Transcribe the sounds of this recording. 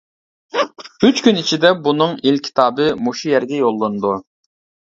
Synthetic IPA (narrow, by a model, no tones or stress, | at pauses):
yt͡ʃkʲynit͡ʃʰid̪ɛbunɨŋilkʲʰi̥t̪ʰɑːbɨmuʃijɛɾɡʲɛjolˠːɨnd̪u